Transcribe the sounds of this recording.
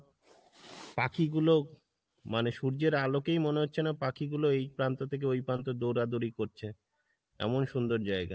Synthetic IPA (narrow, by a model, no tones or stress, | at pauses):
pakiɡulo | maneʃuɾd͡ʑeɾalokejmoneɦotːɕʰenapakiɡuloejpɾant̪ot̪ʰek̬eojpant̪od̪oɾad̪oɾikoɾt͡ɕʰe | ɛ̰monʃund̪oɾd͡ʑaeɡa